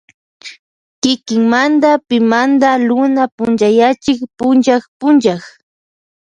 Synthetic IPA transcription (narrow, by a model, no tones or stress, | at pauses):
kɪkɪŋmand̪apɪmand̪alʊnapʊnt͡ʃajat͡ʃɪkpʊnt͡ʃakpʊnʒax